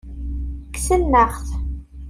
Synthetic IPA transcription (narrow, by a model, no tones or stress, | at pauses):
ksənːəχθ